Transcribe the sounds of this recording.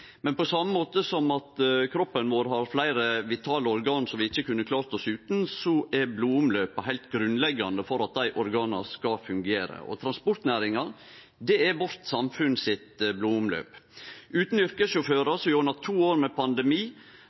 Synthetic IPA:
mɛnpɔsɑmːəmoːt̪əsɔmɑt̪kʰɾɔpːənʋoːɾɦɑɾflæɪɾəʋɪt̪ʰɑːləɔɾɡɑːnsɔmʋɪɪçːəkʉnːəkʰlɑːɾt̪ɔsʉːt̪n̩sɔʔɛɾbluːʊmløːpɑɦæɪlt̪ɡɾʉnlɛɡːɑnd̪əfɔɾɑt̪̚d̪æɪʔɔɾɡɑːnɑskɑfʉŋɡeːɾə̰ʔɔ̰t̪ʰɾɑnspɔɾt̪næːɾɪŋɑɾ | d̪ɛɛɾʋɔɾt̪sɑmfʉnsɪt̪bluːʊmlø̰ːpʉːt̪n̩ʏɾkəsʃʊføːɾɑsɔjuːɾnɑt̪ʰuːoːɾmɛpʰɑnd̪ɛmiː

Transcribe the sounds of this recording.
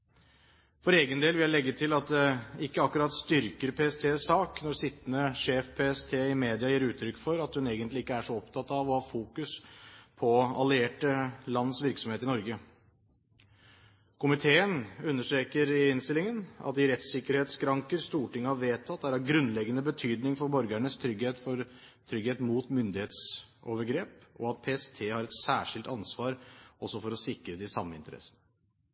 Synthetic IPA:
fɔɾeːɡənd̪eːlʋɪljæɪlɛɡːət̪ʰɪlɑt̪̚d̪ɛɪkːəɑkʉɾɑt̪st̪ʏɾkəɾpʰeːɛst̪ʰeːsɑːknɔɾsɪt̪ːənəʂeːfpʰeːɛst̪ʰeːɪmeːd̪ɪɑjiːɾʉːt̪ʰɾʏkːfɔɾɑt̪hʉneːɡənt̪lɪɪkːəæʂɔɔpt̪ʰɑt̪ːɑʋɔhɑːfuːkʉspʰɔɑlɪeːʈəlɑnːəsʋɪɾksɔmheːt̪ɪnɔɾɡə | kʰʊmɪt̪ʰeːənʉnːəʂʈɾeːkəɾɪnst̪ɪlɪŋənɑ̰t̪d̪ɪɾɛt̪sɪkːəɾheːt̪skʰɾɑŋkəɾst̪uːʈɪŋːəhɑʋeːt̪ʰːɑt̪ːæɾæɾɡɾʉnlɛɡːənəbət̪ʰyːd̪nɪŋfɔɾbɔɾɡæɳəst̪ʰɾʏɡheːt̪fɔɾ | t̪ʰɾʏɡheːt̪muːt̪mʏnd̪ɪheːt̪soːʋəɾɡɾeːpɔ̰ɑt̪̚pʰeːɛst̪ʰeːhɑɾɛt̪sæːʂɪlt̪ɑnsʋɑːɾʔɔsɔfɔɾɔsɪkɾəd̪ɛɪsɑmːəɪnt̪əɾɛ̰sːənə

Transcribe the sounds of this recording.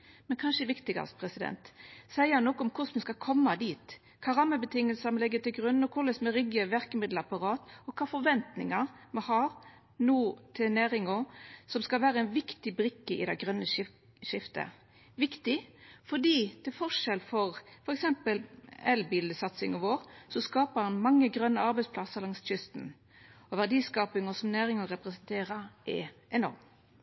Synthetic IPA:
mɛnkʰɑnʂəʋɪkt̪ɪɡɑ̰spʰɾɛsɪd̪ɛ̰nt̪sæɪəɑnɔkːɔmkʰʊsmɛskɑkʰɔmːɑd̪iːt̪ | kʰɑːɾɑmːəbət̪ʰɪŋːəlsəmɛlɛɡːət̪ʰɪlɡʁʉnːɔkʰʊlɛsmɛɾʏɡəʋæɾkəmɪd̪l̩ɑpɑɾɑːt̪ɔkʰɑːfɔɾʋɛnt̪nɪ̰ŋɑʁmɑhɑɾ | nuːt̪ʰɪneːɾɪŋɔsɔmskɑlʋæːɾəɛnʋɪkt̪ɪbɾɪkːəʔɪ̰d̪ɛɡʁœnːə | ʃɪft̪ə̰ | ʋɪkt̪ɪfɔd̪iːt̪ʰɪlfɔʂɛlfɔʁfɔɾɛksɛmpəlɛlbiːləsɑt̪sɪŋɔʋoːʁsɔskɑːpəɾɑnmɑŋːəɡɾœnːəɑɾbɛɪspʰlɑsəʁlɑŋst̪çʏst̪n̩ | ɔʋæʁd̪iːskɑːpɪŋɔsɔmnæːɾɪŋɔɾɛpʁɛsənt̪ʰeːɾəɾʔɛ̰ʔɛnɔ̰ɾm

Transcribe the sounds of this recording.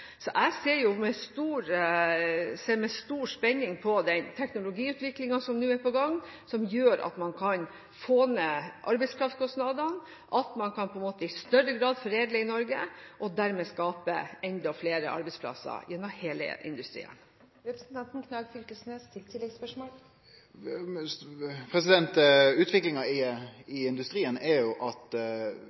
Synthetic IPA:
sɔʔæɪseːɾjʊmɛst̪uːɾ | seːɾmɛst̪uːɾspɛnːɪŋpʰɔd̪ɛnt̪ʰɛknʊlʊɡiːʉːt̪ʋɪklɪŋɑsɔmnʉːæɾpɔɡɑŋːsɔmjøːɾʔɑ̰t̪mɑnkʰɑn | foːnəʔɑɾbɛɪspʰlɑftskʰɔsnɑd̪ɑn | ʔɑt̪mɑnkʰɑnpʰɔɛnmoːt̪əɪst̪œɾːəɡɾɑːd̪fɔɾeːd̪ləɪnɔɾɡəʔɔd̪æɾmeːskɑːpə̰ɛnd̪ɑɔfleːɾə̰ʔɑ̰ɾbɛɪspʰlɑ̰sːə̰jɛnːɔmheːlə̰ʔɪ̰nd̪ʉst̪ɾḭːə̰n | ɾɛpɾəsn̩t̪ɑnt̪n̩kʰnɑɡfʏlkəlsnest̪ʰɪlt̪ʰɪlːɛɡspœʂmoːl | pʰɾɛsɪd̪ɛnt̪ʉːt̪ʋɪklɪŋɑɪɪɪnd̪ʉst̪ɾiːənɛɾjʊʔɑt̪

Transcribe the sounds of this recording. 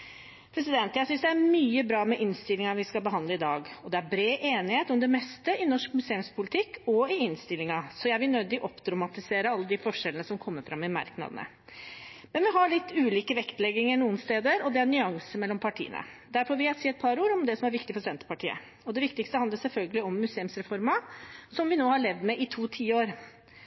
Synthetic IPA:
pʰɾɛsɪd̪ɛnt̪jæɡsʏnsd̪ɛæɾmyːəbɾɑːmɛʔɪnst̪ɪlːɪŋɑʋɪskɑlbəɦɑnd̪ləɪd̪ɑːɡɔd̪ɛæɾbɾeːʔeːnɪheːt̪ɔmd̪ɛmɛst̪əʔɪnɔʂkmʉseːʉmspʰʊlɪt̪ʰɪkːɔɪɪnst̪ɪlːɪŋɑsɔjæɪʋɪlnœd̪ɪʔɔpːd̪ɾɑmɑt̪ɪseːɾəɑlːəd̪ɪfɔʂɛlənəsɔmkʰɔmːəɾfɾɑmːɪmɑ̰ɾknɑ̰d̪ənə̰ | mɛnʋɪɦɑɭɪt̪ːʉːliːkəʋɛkt̪lɛɡːɪŋəɾnuːənst̪eːd̪əɾɔd̪ɛæɾnʏɑŋsəmɛlːɔmpʰɑʈʰḭːənə̰d̪æɾfɔʋɪæsiːɛt̪̚pʰɑɾuːɾɔmd̪ɛsɔmæɾʋɪkt̪ɪfɔʂɛnt̪ə̥pɑʈʰḭːə̰ | ɔd̪ɛʋɪkt̪ɪkst̪əhɑnd̪əsɛlfœlɡəlɪɔmːʉseːʉmsɾɛfɔɾmɑsɔmʋɪnoːhɑɭɛʋd̪mɛʔɪt̪ʰuːt̪ʰiːəoːɾ

